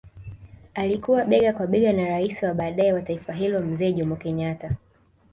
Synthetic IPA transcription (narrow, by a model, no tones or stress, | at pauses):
alikuwaɓɛɠakwaɓɛɡanaɾaisiwaɓaːɗaɛwataifaɦilɔm̩zɛːʄɔmɔkɛɲata